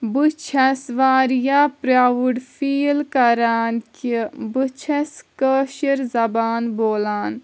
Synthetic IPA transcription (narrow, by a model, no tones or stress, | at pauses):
but͡ʃʰɐsʋaːɾijapɾaʋuɽfʰiːlkɐɾaːnkibɨt͡ʃʰɐskəʃiɾzɐbaːnboːlaːn